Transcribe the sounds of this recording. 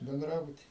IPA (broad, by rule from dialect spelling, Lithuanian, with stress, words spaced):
bʲɛnˈdrɑːbʊtʲiː